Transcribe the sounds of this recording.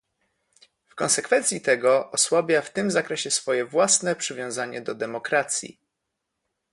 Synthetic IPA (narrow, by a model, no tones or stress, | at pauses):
fkɔ̃nsɛkfɛnt̪sʲit̪ɛɡɔʔɔswabʲjaft̪ɘmzakɾɛɕɛsfɔjɛvwasnɛpʂɘvʲjɔ̃w̃zaɲɛd̪ɔd̪ɛmɔkɾat̪sʲjḭ